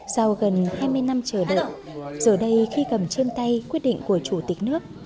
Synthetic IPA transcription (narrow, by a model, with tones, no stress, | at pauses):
sa˧wɣə˨˩nhaː˧jmɨ˧əjna˧mt͡ɕəː˧˩ɗə̰ː˧˨j | z̥əː˨˩ɗə˧jxi˧kə˨˩mt͡ɕe˧nt̪a˧jkwi˦˥ət̚ɗḭ˧˨ŋ̟ku˧˩ət͡ɕu˧˩t̪ï˨˩k̟̚nɨ˦˥ək̚